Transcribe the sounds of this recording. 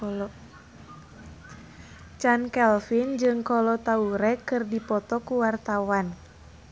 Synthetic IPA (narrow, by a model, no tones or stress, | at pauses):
t͡ʃankɛlfind͡ʒɨŋkɔlɔt̪auɾɛkɨrdipɔt̪ɔkuwart̪awan